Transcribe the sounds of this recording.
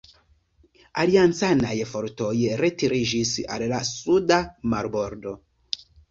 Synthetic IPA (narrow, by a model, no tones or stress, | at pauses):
aliant͡sanajfoɾtojɾetiɾid͡ʒisa̰llasudamaɾboɾdo